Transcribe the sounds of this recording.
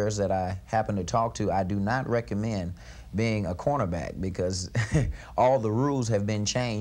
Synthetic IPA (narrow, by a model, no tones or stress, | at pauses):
ɹzðɨɾaɪhæpn̩tʰɨtʰɔk̚tʰɨaɪdɨnət̚ɹɛkɨmɛ̃n | biɪ̃ŋəkʰɔɹnə˞bæ̰k̚b̥ɨkʰʌz | ʔɔlˠðəɹulˠz̥ɨvbɪ̃nt͡ʃʰẽɪ̃n